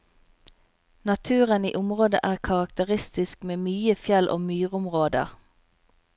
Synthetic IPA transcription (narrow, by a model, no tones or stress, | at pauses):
nɑt̪ʰʉːʁənḭːʔʊmʁoːd̪ə̰ʔæːʁkʰɑʁɑkt̪əʁɪst̪ɪskmeːmyːəfjɛlʔo̰ːmyːʁʊmʁoːd̪ə̰ʁ